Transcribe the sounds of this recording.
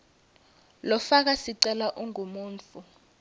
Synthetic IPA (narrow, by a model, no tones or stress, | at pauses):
lɔfak̬asiǀɛlaʔuŋumuːnt͡fu